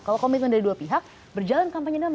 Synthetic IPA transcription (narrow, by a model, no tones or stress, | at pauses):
kalakomɪt̪̚kəndaɾiduapiɦak̚ | bərd͡ʒalankampaɲadam